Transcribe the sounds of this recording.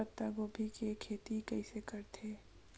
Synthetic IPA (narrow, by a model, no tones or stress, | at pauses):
ət̪ːaɡoːbʱikekʰeːt̪ikɛɪsekəɾt̪ʰeː